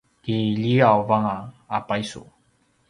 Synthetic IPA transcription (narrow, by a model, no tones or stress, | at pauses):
kiʎiawvaŋaː | pajsṵ